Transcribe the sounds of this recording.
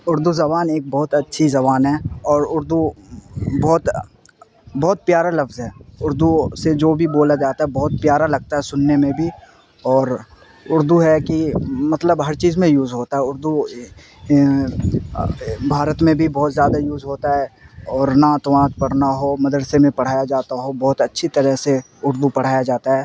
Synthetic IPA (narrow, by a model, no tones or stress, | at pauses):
ʊɾd̪uzɐβaːneːk̚bɔɦːʊt̪ɐtːʃʰizɐβaːnɦɛːɔːɾʊɾd̪u | bɔɦt̪ | bɔːt̪̚pjaːɾalɐfzɦɛːʊɾd̪used͡ʒoːbʱiboːlad͡ʒaːt̪aɦɛbɔɦʊt̪̚pjaːɾalɐɡ̚t̪aɦɛsʊnːemẽbʱi | ɔːɾ | ʊɾd̪uɦɛkimɐt̪ləbɦɐɾt͡ʃiːzmẽjuːzɦoːt̪aɦɛʊɾd̪u | bʱaːɾət̪mẽbʱibɔɦːt̪zjaːd̪ajuːzɦoːt̪aɦɛɔːɾnat̪oʋãːt̪pɐɽ̤naɦomɐd̪əɾsemẽpɐɽ̤aːjad͡ʒaːt̪aɦobɔːt̪ɐtːʃʰit̪ɐɾɛɦse | ʊɾd̪upɐɽ̤aːjad͡ʒaːt̪aɦɛː